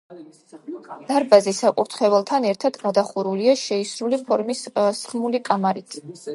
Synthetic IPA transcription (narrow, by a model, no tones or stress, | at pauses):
d̪̥aɾbazisakʼuɾt̪ʰχɛvɛlˠt̪ʰanɛɾt̪ʰad̪ɡad̪aχuɾuliaʃɛisɾulipʰɔɾmissχmulikʼamaɾit̪ʰ